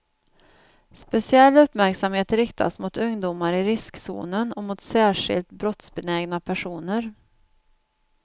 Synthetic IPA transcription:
spɛsɪɛlːɵpːmæɾksamheːt̪ɾɪkt̪ʰa̰smʊt̪ɵŋd̪uːmaɾɪɾɪsksṵːnənɔmʊt̪sæːʂɪ̰lt̪bɾɔt̪sbɛnɛːɡnapʰæʂuːnəɾ

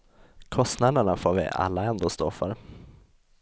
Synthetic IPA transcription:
kʰɔst̪nad̪əɳafoːɾvɪ̰ʔa̰lːaɛnd̪oːst̪ofœ̰ɾ

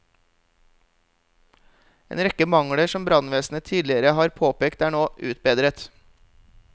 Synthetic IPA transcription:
ḛːnɾɛkəmɑŋɽəʃɔmbɾɑnʋeːsn̩ət̪ʰiːd̪lɪəɾəhɑːɾpʰoːpeːkt̪æːɳoːʔʉːt̪̚beːd̪ɾət̪

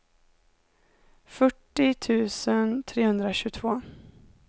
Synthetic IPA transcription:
fœʈːɪt̪ʰʉ̟ːsənt̪ʰɾeːhɵnd̪ɾaɕʉ̟ːt̪ʰvoː

